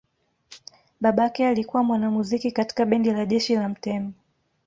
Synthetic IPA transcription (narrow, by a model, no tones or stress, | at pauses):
ɓaɓaakɛalikuwamwanamuzikikati̥kaɓɛndilaʄɛʃilam̩tɛmɔ